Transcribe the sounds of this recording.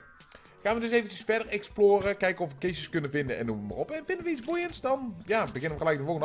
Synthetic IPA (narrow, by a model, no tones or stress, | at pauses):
χaːnʋədɵsejvənt͡ʃəsfɛdəɹɛksploːrəkɛjkəɔfʋəkesəskɵnəvɪndəɛ̰nːuməəma̰rɔpɛnvɪndəʋəitt͡ssbujəntsdɑnjaːbəɣɪnəʋəɣəlɛjk̚dəvɔlˠɣəd